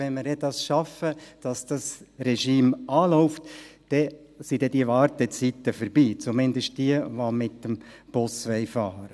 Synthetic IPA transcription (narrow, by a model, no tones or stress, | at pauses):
ɛnməɾjɛd̥ɑsʃɑfəd̥ɑsd̥ɑsrɛʃiːmɑːlɔʊftd̥ɛ | sidɛdivɑɾtət͡sit̪əfəɾbiːt͡sumɪndəʃt̚d̥iəʋomɪtːəmb̥ʊsʋɛɪfɑːɾə